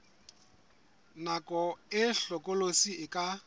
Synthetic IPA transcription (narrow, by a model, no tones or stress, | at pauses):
nakʼɔɪɬɔkʼolosiɪkʼa